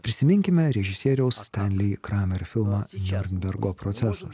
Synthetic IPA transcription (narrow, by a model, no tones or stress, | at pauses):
pʲɾʲɪsʲɪmʲɪŋʲkʲɪmʲɛɾʲɛʒʲɪsʲiɛɾʲɛʊsst̪ʲɛnʲlʲɪːkɾɑːmʲɛɾʲfʲɪlˠmɑːnʲɔɾʲnʲbʲɛɾɡoːpɾɔt̪sʲæsɐs